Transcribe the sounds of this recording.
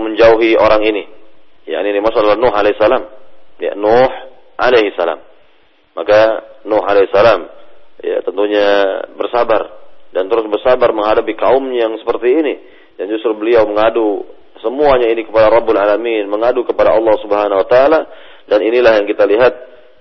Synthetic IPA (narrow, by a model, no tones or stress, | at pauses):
məɲd͡ʒauɦioɾaŋinija̰ʔniːnimasuadalahnʊɦaleisːalamja̰nʊħ | ʔa̰leɦisːala̰mː | akanʊɦa̰leisalamja̰t̪ənt̪uɲabərsabardant̪əɾʊsbərsabarməŋɦadapikaumɲajaŋsə̥pərt̪iːni | dand͡ʒust̪ɾʊbəliawməŋadu | səmuaɲainikəpadaɾɑbːʊlalaminməŋadukəpadaɑlˠːɑhsubəɦanawət̪aːla | daninilahjaŋkit̪aliɦat̪̚